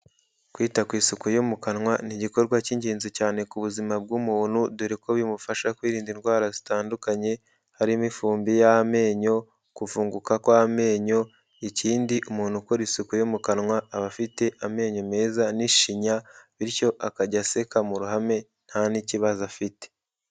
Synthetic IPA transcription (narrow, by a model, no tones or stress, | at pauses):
kwiːtakwiːsukujomukanŋwaniɟiko̞ɾɡwaciɲɟiːnzicaːne̞kuβuzimab̚ɡumuːn̥huduɾiko̞βimufaʃakwiːɾiːndinɡwaːɾazitaːndukaɲe̞ | haɾimifuːmbijaame̞ːɲo̞ | kufuːŋɡukakwame̞ːɲo̞ | iciːndiʔumuːn̥hukoɾisukujomukanŋwaːβafite̞ʔame̞ːɲo̞me̞ːzaniʃiɲaβiɾco̞ʔakaɟase̞kamuɾuɦame̞ | n̥haniciβazafite̥